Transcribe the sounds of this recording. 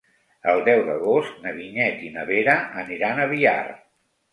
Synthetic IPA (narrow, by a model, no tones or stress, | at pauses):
əlˠd̪ɛwðəɣost̪̚nəβiɲɛt̪inəβeɾəəniɾanəβia̰r